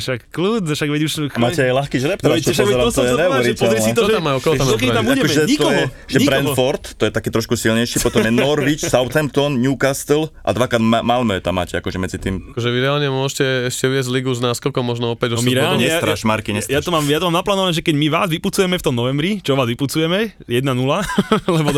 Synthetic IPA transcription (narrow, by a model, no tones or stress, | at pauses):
ʃakkluːt͡sʃaɡʋɛuʃmaːɛajlaxkiʒɾɛp̪ɛʃaɔst̪ɔjɛɛɛɾiɔɛzɾɛsiɔamːaɔkɔlɔamɔkɛiambuadɛkmɛɲit̪kɔɛɦɔ | ʒɛɲibɾɛnfɔɾt̪ːɔjɛt̪akɛːt̪ɾɔʃkusilɲɛjʃipɔt̪ɔmjɛnɔɾʋit͡ʃsaʊt̪ɛmpt̪ɔnɲukast̪lʔa̰d̪ʋakɾaːd̪malmœjɛt̪a̰mːa̰ːcɛakɔʒɛmɛd͡zit̪iːmakɔʒɛʋiɾɛaːlɲɛmʊɔʒɛcɛɛʃcɛvɪɛzzliɡuznaːskɔkɔmɔʒnɔɔpɛɟɔnmiɾɛalɲɛsaɾaʃmaɾkiɲɛjat̪ɔmaːmjat̪ɔmaːmnaplaːnɔʋaɲɛʒɛkɛɟmiʋaːzʋiput͡sujɛmɛft̪ɔmnɔʋɛmbɾit͡ʃɔʋaːzʋiput͡sujɛmɛjɛd̪nanulalɛbɔ